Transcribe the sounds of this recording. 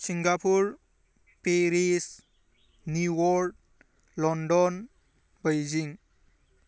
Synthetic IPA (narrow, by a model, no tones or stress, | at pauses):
siŋɡapʰuɾ | peɾis | njuwɔɾ | lɔnɖɔn | bəjd͡ʒiŋ